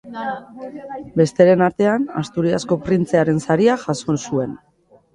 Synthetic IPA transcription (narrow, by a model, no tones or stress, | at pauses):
be̞st̪e̞ɾe̞naɾt̪e̞ana̰st̪uɾiasko̞pɾint͡se̞aɾe̞nsaɾiaʝasonsue̞n